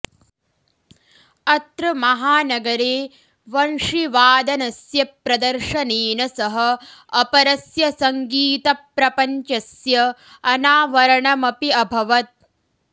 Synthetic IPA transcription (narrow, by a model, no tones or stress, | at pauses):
ɐt̪ɾɐmɐɦaːnɐɡɐɾeː | ʋɐɳʂiʋaːd̪ɐnɐsjɐpɾɐd̪ɐɾʂɐneːnɐsɐɦɐɐpɐɾɐsjɐsɐŋɡiːt̪ɐpɾɐpɐɲt͡ʃɐsjɐ | ɐnaːʋɐɾɐɳɐmɐpiɐbʱɐʋɐt̪̚